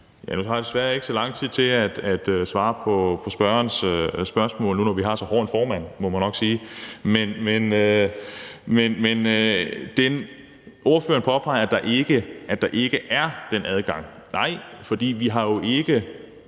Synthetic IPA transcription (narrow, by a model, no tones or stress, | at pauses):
jænut͡sʰɑ̈ːd̥esʋæɐe̝ɡ̥ə̥sɒlɑ̈ŋ̰t͡sʰið̰ˠt͡sʰe̝læd̥æd̥øsʋɑ̈ːpʰɒ̽pʰɒ̽sb̥ɶɐnsøsb̥ɶɐsmɔ̰̽ːlnunɒʋiɦɑ̈sɒ̽hɒːn̩fɒːmæn̰mɒ̽mænːɒ̽ɡ̥siːmenmenø | menmend̥en | o̝ːɐfø̰ːɐnpʰɒ̽pʰɑ̈ɪɐæd̥ɑ̈ʔe̝ɡ̥əʔæd̥ɑ̈ʔe̝ɡ̥əʔæɐd̥enʔæð̞ˠɡ̥ɑ̈ŋ̰ | nɑ̈ɪ̰fɒ̽d̥ḭːʋiɦɑ̈jo̝ʔe̝ɡ̥ə